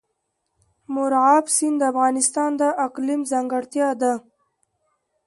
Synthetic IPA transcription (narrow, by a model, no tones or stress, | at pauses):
mʊɾʕɑbsind̪əafɣɑnɪst̪ɑnd̪əʔaqlimzaŋɡaɽt̪jɑd̪a